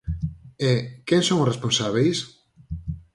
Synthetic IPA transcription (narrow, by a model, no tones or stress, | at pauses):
ekeŋsõŋʊsresponsaβ̞ejs